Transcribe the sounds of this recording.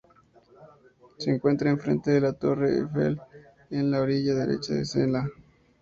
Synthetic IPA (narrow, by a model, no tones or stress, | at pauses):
seːŋkwe̞nt̪ɾaenfɾent̪eðelat̪o̞reḛfḛl | enlaoɾiʝaðeɾḛt͡ʃaðḛsena